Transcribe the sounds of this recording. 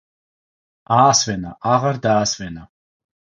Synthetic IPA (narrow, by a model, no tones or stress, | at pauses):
aːsvɛnaʔaʁaɾd̪aːsvɛna